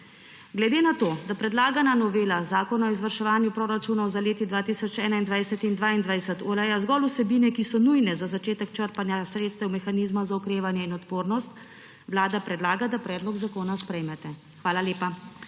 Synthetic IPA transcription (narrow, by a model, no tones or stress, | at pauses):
ɡlɛd̪eːnat̪oːd̪apɾɛd̪laːɡananɔʋeːlazaːkɔnaɔizʋəɾʃɛʋaːnjupɾoːɾat͡ʃuːnɔwzaleːt̪id̪ʋaːt̪isɔt͡ʃɛːnaind̪ʋajsɛt̪ind̪ʋaːind̪ʋajsɛt̪ulajazɡɔlusɛbiːnɛkisɔnujnɛzazat͡ʃeːt̪ɛkt͡ʃəɾpanjasɾeːt̪st̪ɛwmɛxaniːzmazaukɾeːʋanjɛinɔt̪poːɾnɔst̪ | ʋlaːd̪apɾɛd̪laːɡad̪apɾɛːd̪lɔɡzakoːnaspɾɛjmɛt̪ɛ | xʋaːlaleːpa